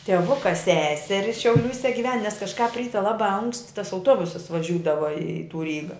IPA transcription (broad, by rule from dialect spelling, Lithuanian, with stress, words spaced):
tʲiɛˈʋʊkɐ ˈsʲæːsʲɛrʲɪ ʃʲɛʊˈlʲuːsʲɛ ɡʲɪˈʋʲɛn nʲɛs kɐʃˈkɑːp ˈrʲiːtʲɛ lˠɐˈbɑː ɐŋksʲtʲ tɐs ɐʊˈtuɔbʊsɐs ʋɐˈʒʲuːdɐʋɐ ɪ tuː ˈrʲiːɡɐ